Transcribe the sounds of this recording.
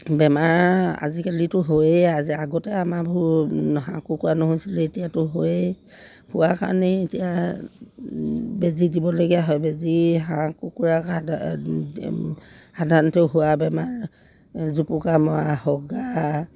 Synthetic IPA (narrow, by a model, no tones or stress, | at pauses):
bɛmaɹa̰zikalitʊɦojeaziaɡɔtɛamabʱ | ɦãkukuɹanɔɦojsilɛetijatʊɦoje | huwaka̰ɹniːtija | bezidibɔloɡijaɦɔjbeziɦãkukuɹa | hadʱanɔtɛʊɦuwabɛmaɹ | zupukamahɔɡa